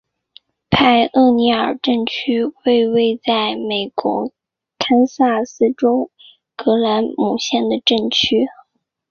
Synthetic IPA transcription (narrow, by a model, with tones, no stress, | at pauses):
pʰa˥˧ɪɤ˥˩ni˧˥ə˞˨˩ʈ͡ʂə˥˩nt͡ɕʰy˥we˥˧ɪwe˥˧ɪt͡sa˥˩ɪme˨˩ɪkwɔ̰˧˥ | kʰa˥nsa˥˩sɹ̩˥ʈ͡ʂʊ˥ʊ | kɤ˧˥la˧˥nmu˨˩ɕjɛ˥˩nd̪ə˩ʈ͡ʂə˥˩nt͡ɕʰy˥